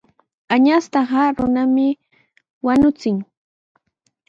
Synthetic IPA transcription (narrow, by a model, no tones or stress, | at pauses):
aɲast̪ɑɢɑɾʊnamɪ | wanʊt͡sɪŋ